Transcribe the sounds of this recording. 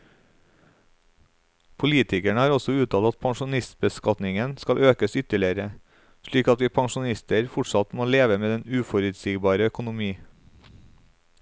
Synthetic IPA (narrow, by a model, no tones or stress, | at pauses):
pʰʊliːt̪ʰɪkæɳəhɑːɾɔsɔʉːt̪ʰɑːɑt̪̚pʰɑŋʃʊnɪst̪̚bəskɑt̪nɪŋənskɑlʔøːkəsʏt̪əɭɪəɾə | ʃɭiːkɑt̪ʋiːpʰɑŋʃʊnɪst̪əɾfʊʈsɑt̪moːleːʋəmeːd̪ɛnʉːfɔɾʉt̪siːɡbɑːɾəœkʊnʊmiː